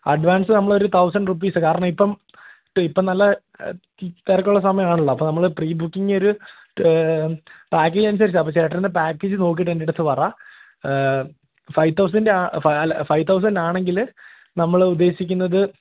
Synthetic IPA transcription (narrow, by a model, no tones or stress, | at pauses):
ɐɖʋaːnsɨnɐmːɐɭo̞ɾut̪ʰɐwsɐɳɖrup̬ːiːsɨkaːɾɐɳɐmipːɐm | ʈipːɐmnɐlːɐ | t̪erɐkʲːuɭːɐsɐmɐjɐmaːɳuɭːɐɐpːoːnɐmːɐɭɨpriːbukːiŋo̞ɾu | paːk̬ːeːd͡ʑɐnus̬ɐɾit͡ɕːaɐpːoːt͡ɕe̞ːʈːɐind̪epaːkːeːd͡ʑɨno̞ːk̬ːijʈːendeɽɐt̪ːɨpɐra | fɐjt̪ːɐws̬ɐndaːfɐlfɐjʋt̪ɐws̬ɐnɖaːɳe̞ŋɡil | nɐmːɐɭud̪ːe̞ːɕikʲːunːɐðɨ